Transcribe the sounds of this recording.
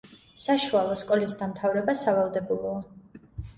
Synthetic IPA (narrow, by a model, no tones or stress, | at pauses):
saʃualˠɔskʼɔlisd̪amt̪ʰavɾɛbasavalˠd̪ɛbulˠɔa